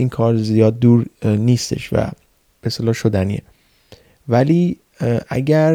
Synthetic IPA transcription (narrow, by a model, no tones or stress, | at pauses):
iːnkʰɒːɾzijɒːd̪̚ːuːɾniːst̪e̞̰ʃvæ̰ | b̥eest̪elɒːʃod̪ænḭːḛ | væliː | ʔæ̰ɟæɾ